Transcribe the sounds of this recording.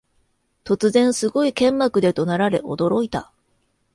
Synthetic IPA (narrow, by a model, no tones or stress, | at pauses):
t̪o̞t͡sɨzẽ̞ɰ̃sɨɡo̞ikẽ̞mːakɯ̟d̪e̞t̪o̞naɾaɾe̞ʔo̞̰d̪o̞ɾo̞it̪a̰